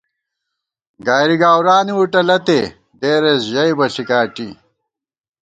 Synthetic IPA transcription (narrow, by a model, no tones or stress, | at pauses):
ɡaːɾiɡaːwɾaːniwuʈɐlɐt̪e | d̪eːɾesʑɐjbɐɬikaːʈi